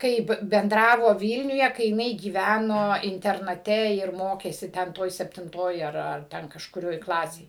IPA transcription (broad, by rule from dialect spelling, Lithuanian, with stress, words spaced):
ˈkɐɪp bʲɛnˈdrɑːʋoː ˈʋʲiːlʲnʲʊjɛ kɐɪ jɪˈnɐɪ ɡʲiːˈʋʲænoː ɪnʲtʲɛrnɐˈtʲɛ ɪr ˈmoːkʲeːsʲɪ ˈtʲɛn ˈtoːj sʲɛpʲtʲɪnˈtoːj ɐr ɐr ˈtʲɛn kɐʃkʊˈrʲoːj ˈklˠɑːsʲeːj